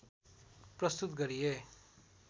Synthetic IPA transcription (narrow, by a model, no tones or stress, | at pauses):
prʌst̪ut̪ɡʌɾije